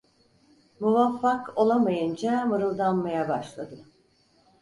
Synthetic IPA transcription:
muvafːakʰo̞lˠamajɯnd͡ʒamɯɾɯlˠd̪anmajabaʃlˠad̪ɯ

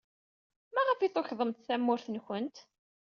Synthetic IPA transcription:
mæʁəfiθˤoçðˤəmt̪θæmːʊɾθənçənt̪

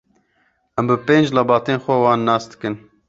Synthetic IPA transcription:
ʔɛmbɨpeːnd͡ʒlɑbɑːt̪eːnxʷɛwɑːnːɑːsd̪ɨ̥kɨn

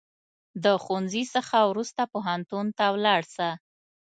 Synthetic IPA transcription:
d̪əxunzisəxawɾust̪apoɦant̪unt̪awlɑɽsa

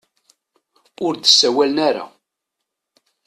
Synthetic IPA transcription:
ʊɾd̪əsːæwælənæɾa̰

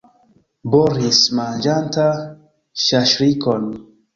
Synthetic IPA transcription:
boɾismand͡ʒanta | ʃaʃɾikon

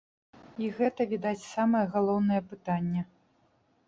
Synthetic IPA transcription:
iɣɛt̪ɐvʲid̪at͡sʲsamɐjɐɣalˠɔwnɐjɐpɨt̪anʲːɐ

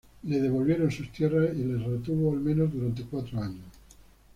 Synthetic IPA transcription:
leðeβolβjeɾonsust̪jerasilesret̪uβoalmẽnozd̪uɾant̪̬ekwat̪ɾoaɲos

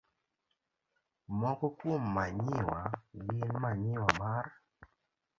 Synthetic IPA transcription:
mɔkɔkomːaɲɪwalɪnmaɲɪwamar

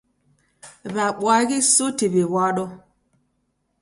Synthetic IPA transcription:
βaɓwaɣisotiβewaɗɔ

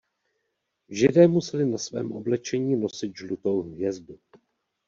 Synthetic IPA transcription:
vʒɪdɛːmusɛlɪnasvɛ̰ːmʔo̞̰blɛt͡ʃɛɲiːno̞sɪt̪̚ʒlut̪o̞wvjɛzdu

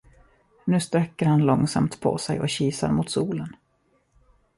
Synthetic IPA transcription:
nʉ̟ːst̪ɾɛkːəɾhanlɔŋsa̰mt̪pʰɔ̰sɛjʔɔɕiːsa̰ɾmut̪suːlən

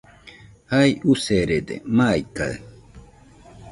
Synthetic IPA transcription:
hajuseɾed̪ḛmaːjka̰e

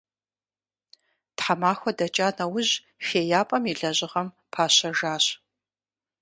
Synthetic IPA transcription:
tħamaːxʷɔdɐt͡ʃʼaːnɐwʊʑ | feːjaːpʼɐmiɮɐʑɪʁɐm | pʰaːɕɐʒaːɕ

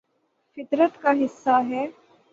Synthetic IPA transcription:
fɪt̪ɾət̪kaɦɪsːaɦɛː

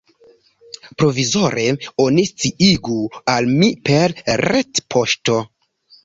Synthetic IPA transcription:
pɾo̞vizo̞ɾe̞o̞nist͡siʔiɡualmipe̞ɾɾetpʰo̞ʃto̞

